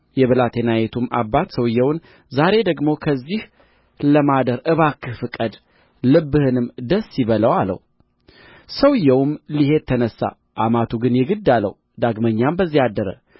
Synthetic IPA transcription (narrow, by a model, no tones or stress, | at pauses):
jɛβəlat̪ʰenajet̪ʰumʔa̰bːat̪səwjːɛwn | zaɾe̞d̪əɡmo̞kʰəzːih | ləmad̪əɾʔɨβakʰːɨfɨkʼəd̪ | lɨbːɨhɨnɨmd̪əsːiβələwalə̰w | səwjːɛwmlihe̞t̪ʰːənəsːa̰ | ʔamat̪ʰuɡɨnjɛɡɨd̪ːalːə̰w | d̪aɡməɲːambəzːihad̪ːəɾə̰